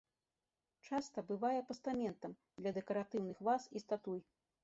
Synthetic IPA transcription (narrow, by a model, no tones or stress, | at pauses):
t͡ʂast̪ɐbɨvajɛpɐst̪amʲɛnt̪ɐm | d̪lʲɐd̪ɛkɐɾat̪ɨwnɨxvasist̪at̪uj